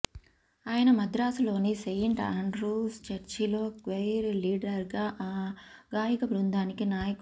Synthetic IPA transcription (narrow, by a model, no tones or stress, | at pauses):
aːjɐnɐmɐd̪ɾaːsɐlo̞ːnisejɳʈaːɳɖɾuːst͡ʃɐɾt͡ʃilo̞ːkʋejɾliːɖɐɾɡaːʔːɡaːjikɐbɾund̪aːnikinaːjɐk